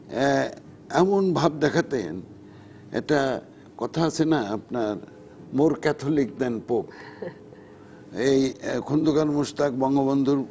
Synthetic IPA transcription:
ɛ | ɛmonbʱab̚d̪ɛkʰat̪ḛn | ɛ̰ʈa | kɔt̪ʰaasʰenaapnaɾ | moɾkɛt̪ʰolik̚d̪ɛnpop | ejkʰund̪okaɾmuʃt̪ak̚bɔŋɡoβond̪ʱuɾ

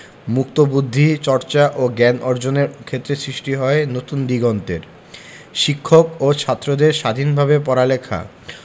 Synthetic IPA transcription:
muk̚t̪obud̪ʱːit͡ɕɔɾt͡ɕaʔoɡɛnʔɔɾd͡ʑoneɾkʰet̪ːɾesɾiʃʈiɦɔenot̪und̪iɡɔnt̪eɾ | ʃikʰːokot͡ɕʰat̪ːɾod̪eɾʃad̪ʱinbʱabepɔɾalekʰa̰

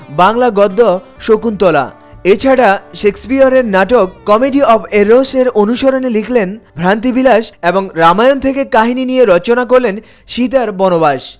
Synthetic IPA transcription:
baŋlaɡɔd̪ːɔ | ʃokunt̪ɔla̰ | et͡ɕʰaɽaʃekspiaɾeɾnaʈokːɔmeɖiɔpʰeɾoseɾonuʃoɾonelikʰlenbʱɾant̪̬ibilaʃeboŋɾamajont̪ʰekekaɦininijeɾɔt͡ɕonak̬oɾlen | ʃit̪̬aɾbɔnobaʃ

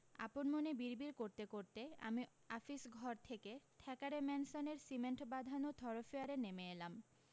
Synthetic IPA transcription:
a̰ponmonebiɾbiɾkoɾt̪ekoɾt̪ea̰mi | afisɡʱɔɾt̪ʰeket̪ʰɛkaɾemɛnsoneɾsimeɳʈbad̪ʱanot̪ʰɔɾofiaɾenemeelam

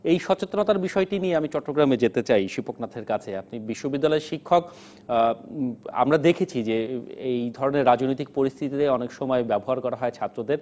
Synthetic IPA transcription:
ejʃɔt͡ɕet̪ːonot̪aɾbiʃɔeʈinieamit͡ɕɔʈːoɡɾamed͡ʑet̪et͡ɕajʃipoknat̪ʰeɾkat͡ɕʰeap̚nibiʃːobid̪ːalɔeɾʃikʰːok | a̰mɾad̪ekʰet͡ɕʰid͡ʑeejd̪ʱɔɾoneɾːad͡ʑnojt̪̬ik̚poɾist̪ʰit̪it̪eɔnekʃɔmɔebɛboɦaɾkɔɾaɦɔet͡ɕʰat̪ːɾod̪eɾ

